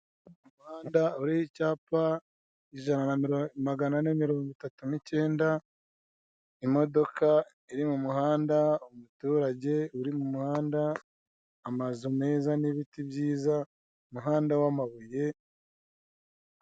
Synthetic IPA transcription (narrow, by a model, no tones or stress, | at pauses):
mumuhaːndauɾihicaːpa | iʒananaɾmaɡananemiɾo̞ːŋɡitatunice̞ːnda | imo̞do̞ka | iɾimumuhaːndaomutuːɾaɟe̞uɾimumuhaːndaː | mazume̞ːzaniβitibjiːza | muɦaːndawamaβuje̞